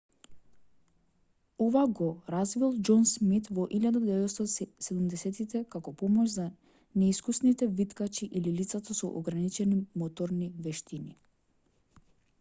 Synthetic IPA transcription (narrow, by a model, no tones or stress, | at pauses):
ɔvaɡɔɾazvilˠd͡ʒɔnsmit̪vɔʔilʎʲjad̪ad̪d̪ɛvɛɔst̪ɔsɛd̪umd̪ɛsɛt̪it̪ɛkakɔpɔmɔʒza | nɛiskusnit̪ɛvit̪kat͡ʃiʔililit̪sat̪asɔ̰ʔɔɡɾanit͡ʃɛnimɔt̪ɔɾnivɛʃt̪ini